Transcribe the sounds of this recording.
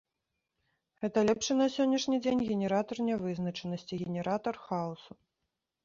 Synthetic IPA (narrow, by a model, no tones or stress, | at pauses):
ɣɛt̪ɐlʲɛpʂɨnɐsʲɔnʲːɐʂnʲid͡zʲenʲɣʲɛnʲɛɾat̪ɐrnʲɛvɨznɐt͡ʂɐnɐsʲt͡sʲiɣʲɛnʲɛɾat̪ɐrxausu